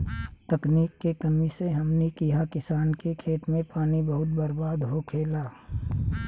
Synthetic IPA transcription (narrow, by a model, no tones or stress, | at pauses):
t̪ɐkniːkːekɐmiseɦɐmnekijakɪsaːnkekʰeːt̪mẽpaːnibɐɦʊt̪̚bɐɾbaːd̪ɦokʰeːlaː